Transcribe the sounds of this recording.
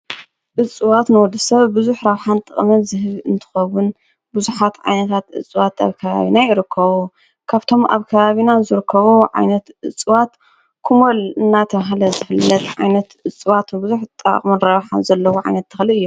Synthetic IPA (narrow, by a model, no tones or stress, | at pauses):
ʔɨt͡sʼɨwat̪nɨwɔd̪ɨsɐβbuzuħɾaβħant̪ʼɐχʼmɐnzɨɦɨβɨnt̪ʰɨ̥xɐwːʊn | buzuħat̪ʕa̰jnɐt̪ʰat̪ʔɨ̰t͡sʼɨwat̪a̰βkʰɐβa̰βinajɪɾɨkʰːɐβu | kʰaβt̪ʰo̞mʔa̰βkʰɐβaβinazɨɾɨkʰːɐβuʕa̰jnɐt̪ʔɨt͡sʼɨwat̪ | kʰumolɨnːat̪ʰɐmaɦlɐzɨfɨlːɐt̪ʕajnɐt̪ɨt͡sʼɨβat̪nbuzuħt̪ʼɐ̰χʼmɨnɾaβħa̰nzɐlːɐwoʕa̰jnɐt̪ʰːɨ̥xliɨjːu